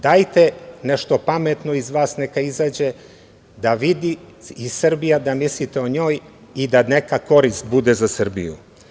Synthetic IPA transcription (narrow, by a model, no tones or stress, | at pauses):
d̪ajt̪eneʃt̪o̞pamet̪no̞izʋaːsnekaizaːd͡ʑe | d̪aʋid̪i | isr̩bijad̪amislit̪eoɲo̞ːj | id̪anekako̞ɾist̪̚bud̪ezasr̩bḭjṵ